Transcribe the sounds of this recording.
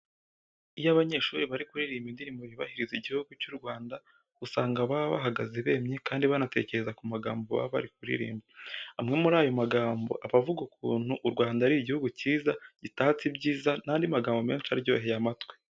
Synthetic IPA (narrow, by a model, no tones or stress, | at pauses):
ijaβaɲe̞ːʃuːɾiβaɾikuɾiɾiːmbindinimuɾiβa̰hiɾiziɟihuɡucuɾɡwaːndḁ | usaːŋɡaβaβa̰ɦaɡazeβe̞ːmɲekaːndiβanate̞̰ːce̞ɾe̞zakumaɡaːmboβa̰βa̰ɾik̚uɾḭɾḭːmbiamŋe̞muɾaːjo̞maɡaːmbo̞̰ʔaβavuɡukṵːn̥huʔɾɡwaːndaɾiːiɟihuɡuciːzaɟitat͡sibɟiːzanaːndimaɡaːmbo̞me̞ːnʃiaɾiɟo̞̰ːɦe̞jamatwe